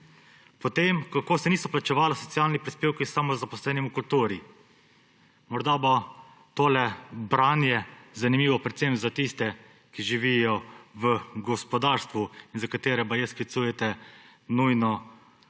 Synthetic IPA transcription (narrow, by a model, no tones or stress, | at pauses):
pɔt̪emkakoːsɛniːsɔplat͡ʃɛʋaːlɔsɔt̪sijaːlnipɾispeːwkisamɔzapɔslɛːnimukult̪uːɾi | mɔɾd̪abo | t̪oːlɛbɾanjɛzanimiːʋɔpɾɛt̪semzat̪ist̪ɛ | kiʒiʋijɔʋəɡɔspɔd̪aːɾst̪ʋuinzakat̪eːɾɛbajɛskit̪suːjɛt̪ɛ | nujnɔ